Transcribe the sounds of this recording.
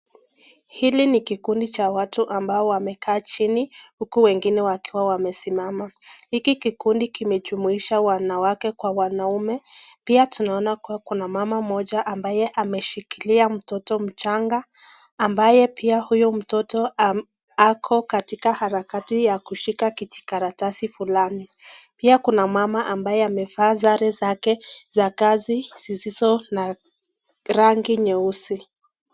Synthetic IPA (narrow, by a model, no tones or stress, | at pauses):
hilinikikundit͡ʃawatuʔambaɔwamɛkaːt͡ʃinihukuwɛŋɡinɛwakiwawamɛsimamahikikikundikimɛd͡ʒumuiʃawanawakɛkwawanaumɛpiatunaɔnakuwakunamamamɔʄaʔambajɛʔamɛʃikiliam̩tɔtɔm̩t͡ʃaŋɡaː | mbajɛpʰiahujum̩tɔtɔa | akʰɔkatikahaɾakatijakuʃikakit͡ʃi̥kaɾatasifulanipiakunamamaʔambajɛamɛvaːzaɾɛzakɛzakazizizizɔna | ɾaŋɡiɲɛusi